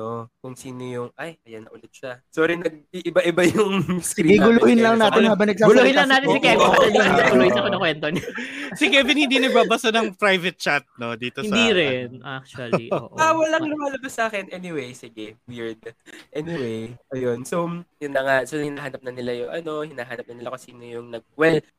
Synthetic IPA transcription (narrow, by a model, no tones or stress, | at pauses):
nokʊŋsiːnojʊŋajʔɐjɐnːɐʔʊlɛt̪̚ʃasoɾinɐɡ̚iʔɪbaʔɪbajʊŋskɪɾiɡiɡɡʊluːhɪnlɐŋnaːt̪ɪnhaːbɐŋnɐɡ̚saɡʊluːhɪnlɐŋnaːt̪ɪnnsɪkɛɪɐɡʊluːhɪnsɐkonɐkwɛnt̪onsɪkɛːvɪnhɪnd̪iːnɐɡ̚baːbɐsɐnɐŋpɾajvɛt̪̚t͡ʃat̪̚no̞d̪iːt̪oɪsnd̪iɾɛnʔa̰k̚t͡ʃɐlḭʔo̰ʔawɐlɐŋŋlʊmaːlɐbɐsʔaːkɛnʔɛnɪwejsɪɡɛwiɹd̪̚ʔɛnɪwejɐjonsojʊnːɐŋaʔsoɪhɪnaːɦaːnɐp̚nɐnɪlajʊŋʔɐ̰no̞hɪnaːɦaːnɐpnɐnɪlakʊsiːno̞jʊŋnɐɡ̚wɛl